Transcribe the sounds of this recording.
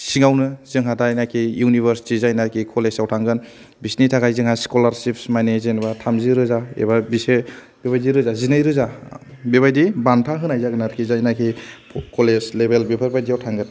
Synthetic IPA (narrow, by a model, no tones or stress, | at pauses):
siŋawnɯzɯŋɦadajnakʰijunibʱəɾstizajnaɾkʰikʰɔlesawtʰaŋɡɯn | bisnitʰaɡajzɯŋhajskɔlaɾsipsmajnezenbatʰamziɾɯzaḛbabise | beβajdiɾɯzazinɯjɾɯzabeβajdibantʰaɦɯnajzaɡɯnaɾkʰizajnakʰikʰɔlezlebelbipʰaɾbajdiawtʰaŋɡɯn